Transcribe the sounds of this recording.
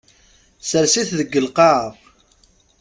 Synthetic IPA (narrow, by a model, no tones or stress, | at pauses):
səɾsiθðəɡːəlqɑʕəf